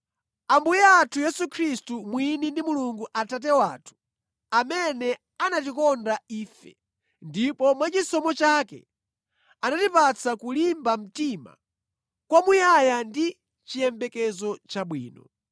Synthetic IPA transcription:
ambujɛatʰujɛsukʰɾistumwinindimuluŋɡuʔatat̬ɛwaːtʰu̥ | amɛnɛ | anat̬ikɔndaiːfɛ̰ | ndipɔmwat͡ʃisɔmɔt͡ʃaːkɛ̰ | anatipat͡sʰakulimbam̩tima̰ | kwamujajandi | t͡ʃijɛmbɛkɛzɔt͡ʃaɓwḭːnɔ

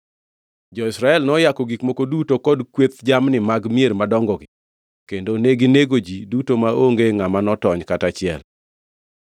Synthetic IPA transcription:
d͡ʒɔɪsɾaɛlnɔjakɔɡikmokodutokɔdkwet̪d͡ʒamnɪmaɡmijeɾmadɔŋɡɔɡɪ | kendoneɡineɡod͡ʒidutomaʔoŋɡeŋamanɔtɔɲkatat͡ʃɪɛ̰l

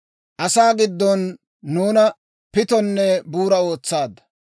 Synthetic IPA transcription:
ʔɐsaːɡɪd̪ːɔnː | uːnɐ | pɪt̪ɔnːɛbuːɾɐo̞ːt͡sːaːd̪ɐ̥

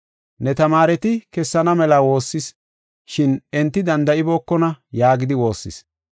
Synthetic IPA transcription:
nɛt̪ɐmaːɾɛt̪ɪkɛsːɐnɐmɛlawo̞ːsːɪs | ʃɪnɛnt̪ːɪd̪ɐnd̪ɐʔɪboːkːɔnɐjaːɡɪd̪ɪwo̞ːsːɪ̰s

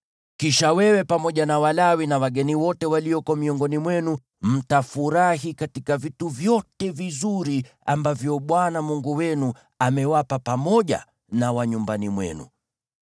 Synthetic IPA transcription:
kiʃawɛwɛpamɔʄanawalawinawaɠɛniwɔtɛwaliɔkɔmiɔŋɡɔnimwɛnu | m̩tafuɾaɦikatikavituvjɔtɛvizuɾi | a̰mbavjɔɓwanamuŋɡuwɛnu | amɛwapapamɔʄa̰ | nawaɲumbanimwɛ̰nṵ

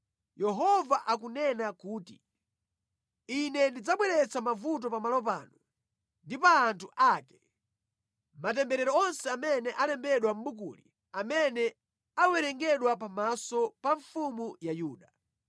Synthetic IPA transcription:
jɛɦɔvaʔak̬unɛnakuːtḭ | inɛndid͡zaɓwɛɾɛt͡samavut̬ɔpamalɔp̬a̰ːnɔ | ndipaːntʰuʔakɛ̥ | mat̬ɛmbɛɾɛɾɔɔnsɛamɛnɛʔalɛmbɛɗwam̩ɓuk̬ṵli | amɛnɛ | awɛɾɛŋɡɛɗwap̬amasɔpaɱfumujajuːɗa

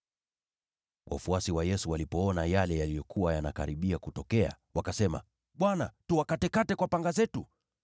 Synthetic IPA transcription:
wʔa̰fuasiwajɛsuwalipɔɔnajalɛjalijɔkʰuwajanakaɾiɓiakutɔkɛa̰ | wakasɛma̰ | ɓwanatuwakatɛkatɛkwapaŋɡazɛtu

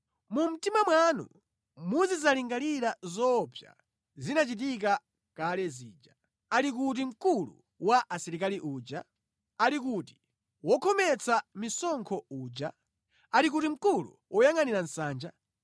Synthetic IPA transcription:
mum̩timamwanṵ | muzizaliŋɡaliɾazɔpʰja̰ | zinat͡ʃit̬ik̬a | kalɛzḭːd͡ʒa | alik̬ut̬im̩kulṵ | waʔasɛɾikaliʔuːd͡ʒa | alik̬uti̥ | wɔkʰɔmɛt͡sʰamisɔŋkʰɔuːd͡ʒa | aɾik̬utim̩kulṵwʔɔjaŋaniɾan̩saːnd͡ʒa

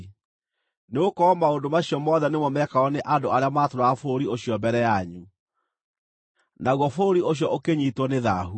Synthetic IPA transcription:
neokɔɔmaondomaɕijɔmɔðɛnemɔmɛkaɔneʔadoaɾeamaːtoɾaːfooɾioɕijɔmbɛɾɛjaɲu | naɣwɔfooɾioɕjɔʔokeɲiːtwɔneðaɦu

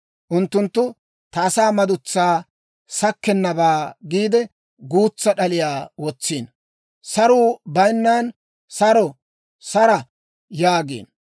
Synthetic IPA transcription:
ʔʊnt̪ːʊnt̪ːʊ | t̪ɐːsaːmɐd̪ʊt͡sːaː | sɐkːɛnːɐbaːɡiːd̪ɛ | ɡuːt͡sːɐɗɐlɪjaːwɔt͡sːiːn | sɐɾuːbɐjnːaːn | sɐɾɔ | sɐɾɐ | jaːɡḛːn

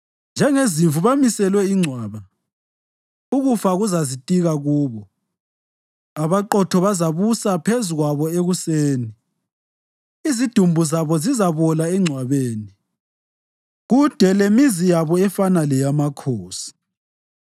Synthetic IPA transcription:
nd͡ʒʱɛŋeziɱvuβamisɛlwɛiŋ͡ǀʱwaːβa | uɣufaɣuzazitʼiɣaɣuːβɔ | aβaǃɔtʰɔβazaβusapʰezuɣwaβɔeɣuseːni | izid̥ʱumbʱuzaβɔzizaβɔlaɛŋ͡ǀʱwaβeːni | ɣud̥ʱɛlemizijaβɔɛfanalɛjamakʰoːsi̥

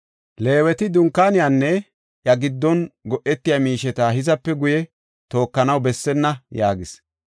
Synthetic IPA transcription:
le̞ːwɛt̪ɪd̪ʊŋkːaːnɪjaːnːɛ | jɐɡɪd̪ːɔnɡɔʔɛt̪ːɪjamiːʃɛt̪aːɦɪzɐpːɛɡʊjɛ | t̪o̞ːkːɐnɐwbɛsːɛnːɐjaːɡɪs

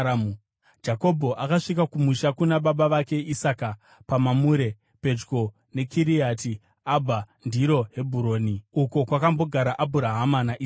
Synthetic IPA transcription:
d͡ʒako̞bʱo̞ʔakaʂik̬akumuʃakunaɓaɓaʋake̞ʔisaka | pamamuːɾe̞ | pe̞d͡ʒɡo̞ | ne̞kʰiɾiat̬i | abʱa | ndiɾo̞ɦe̞bʱuɾo̞ːniuko̞kwakambo̞ɡʱaɾaʔabʱuɾaɦamanaʔi

